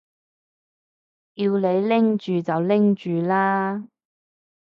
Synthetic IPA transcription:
jiː˧wle˨˧jlɪ˥ŋt͡ʃyː˨t͡sɐ˨wlɪ˥ŋt͡ʃyː˨laː˥

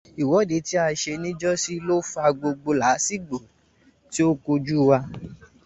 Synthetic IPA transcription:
i˨wɔ˨˦˨de˨˦ti˦a˧ʃe˧nĩ˦d͡ʒɔ˦si˦lo˦fa˧ɡ͡bo˧ɡ͡bo˧la˨˦si˦ɡ͡bo˨ | ti˦o˦ko˧d͡ʒu˦wa˧

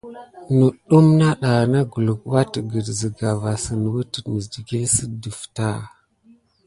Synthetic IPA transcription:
nu˨ɗu˦mna˦ɗa˨na˦ɡu˨lu˨kwa˦tə˨ɡə˨dzi˨ɡa˨va˨sə˨n˨wu˦tə˨mə˨di˨ɡe˦sə˦də˨fta˦˨

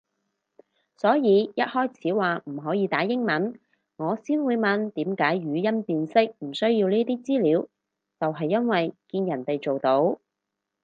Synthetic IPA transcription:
sɔː˨˥jiː˨˧jɐ˥t̚hɔː˥jt͡sʰiː˨˥waː˨˩m̩˨˩ɦɔː˨˥jiː˨˧t̪aː˨˥jɪ˥ŋmɐ˨˥n | ŋɔː˨˧siː˥nwuː˨˧jmɐ˨nt̪iː˨˥mkaː˨˥jɥyː˨˧jɐ˥npiː˨nsɪ˥k̚m̩˨˩sɵ˥ɥji˧wniː˥t̪iː˥t͡siː˥liː˨˧w | t͡sɐ˨wɦɐ˨jːɐ˥nwɐ˨jkiː˧njɐ˨˩nt̪e˨jt͡so˨wt̪o˨˥w

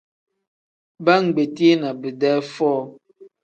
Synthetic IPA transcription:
ba˦ŋ̩˨ɡ͡be˨ti˦e˦na˨bɨ˨dɛː˦fɔː˦˨

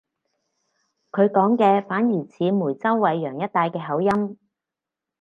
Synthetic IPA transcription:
kʰɵ˨˧ɥkɔː˨˥ŋkɛː˧faː˨˥njiː˨˩t͡sʰiː˨˧muː˨˩jt͡sɐ˥wːɐ˨˧jːœː˨˩ŋjɐ˥t̚t̪aː˧jkɛː˧ɦɐ˨˥wjɐ˥m

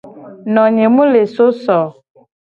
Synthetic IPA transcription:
nɔ̃˨ɲẽ˨mũ˦le˨so˦sɔ˨

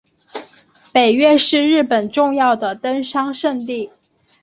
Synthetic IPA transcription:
pe˨˩ɪɥɛ˥˧ʂɻ̩˥˧ɻɻ̩˥˩pə˨˩nʈ͡ʂʊ˥˧ŋjɑ˥˩ʊd̪ə˩t̪ə˥nʂɑ˥ŋʂə˥˧nt̪i˥˩

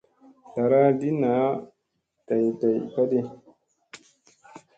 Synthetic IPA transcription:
ta˨ɾa˦di˦na˨˦ | ta˨jta˨jka˦ɗe˦

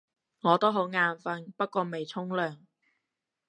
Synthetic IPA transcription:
ŋɔː˨˧t̪o˥wɦo˨˥wŋaː˨˧nfɐ˧npɐ˥t̚kʷɔː˧me˨jt͡sʰʊ˥ŋlœː˨˩ŋ

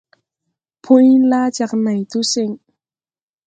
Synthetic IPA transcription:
pʰu˧˥jlaː˧˥˦t͡ɕa˨˩k̚na˨˩jt̪u˧˦sɪ˨˩ŋ

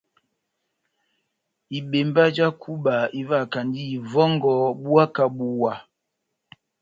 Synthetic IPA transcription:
i˨ɓe˨mba˦d͡ʒa˦kʰu˦ba˨i˦va˦˨ka˨ndi˦i˨vɔ˦ŋ˦ɡɔ˨˦bu˦a˦ka˦˨bu˦wa˨

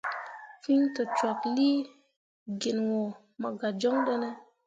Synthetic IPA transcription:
fi˦ɲtə˨t͡ʃa˨kli˦ | ɡi˨nwo˨ | mə˨ɡa˨d͡ʒo˦ŋɗə˦ne˦

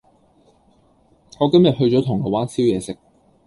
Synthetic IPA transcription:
ŋɔː˨˧kɐ˥mjɐ˨t̚ɦɵ˧ɥt͡ʃɔː˨˥t̪ʰʊ˨˩ŋɔː˨˧˥waː˥nsʰiː˥wjɛː˨˧sɪ˨k̚

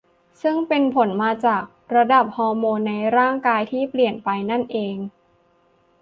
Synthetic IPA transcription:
sɯ˥˩ŋpe˧npʰo˩˦nmaː˧t͡ɕaː˨˩k̚ɾa˧da˨˩p̚hɔː˧moː˧nːa˧jɾaː˥˩ŋkaː˧jt̪ʰiː˥˩pli˨˩ənpa˧jna˥˩nʔeː˧ŋ

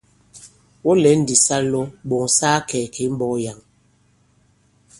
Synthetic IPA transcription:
wɔ˦lɛ˨˦n̩˦di˨sa˦lo˦ɓo˨ŋsaː˦kɛː˨ke˨˦m˦bɔ˦ja˨ŋ

